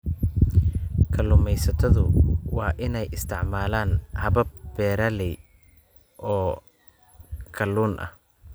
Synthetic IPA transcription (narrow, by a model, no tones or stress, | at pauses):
kʰɐlʊːmɛjsɐt̪ʰɐðʊ̰wɑːʔɪnɛjɪst̪ʰɪʕmaːlaːnhɐβɐbbɛːɾɐlɪj | ʔɔː | kʰɐlːuːnʔɐ̰h